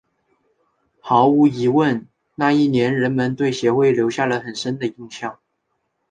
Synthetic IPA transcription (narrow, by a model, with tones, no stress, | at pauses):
xɑ˧˥ʊu˧˥i˧˥wə˥˧n | na˥˧i˥˩njɛ˧˥nɻə˧˥nmə˧˥nt̪we˥˩ɪɕjɛ˧˥xwe˥˩ɪljo˧˥ʊɕja˥˩lə˩xə˨˩nʂə˥nd̪ə˨i˥˧ŋɕjɑ˥˩ŋ